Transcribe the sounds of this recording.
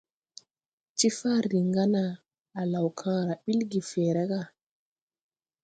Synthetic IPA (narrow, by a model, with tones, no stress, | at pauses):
t͡ʃi˦fa˦ɾi˨ŋɡa˦naː˨ | la˨wkʰãː˦ɾa˨ɓi˦lɡi˨fɛː˨ɾa˦ɡa˦˨